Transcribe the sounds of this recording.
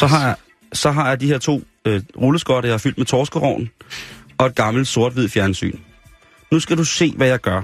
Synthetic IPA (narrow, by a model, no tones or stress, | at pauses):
sɒ̽ɦɑ̈j | sɒ̽ɦɑ̈jɑ̈dihe̝ɐ̰t͡sʰo̝̰ː | ʁuləsɡ̥ɒɾɐjɑ̈hɑ̈fyl̰d̥met͡sʰɒːsɡ̥əʁɒ̰ʊn | ɒ̽e̝d̥̚ɡ̥ɑ̈ml̩d̥so̝ɐ̰d̥ʋið̞̰ˠfjæɐnsy̰ːn | nusɡ̥æɾuse̝̰ːʋæjɑ̈ɪɡ̥ɶɐ